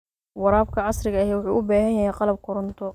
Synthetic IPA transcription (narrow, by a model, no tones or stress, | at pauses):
wɑɾaːbkʰɐʕɑsrɪɣɐɐɦɛːwʊħṵːʔʊbaːɦɐjɐhɛjqɑlɐb̚kʰʊɾʊnt̪ʰɔ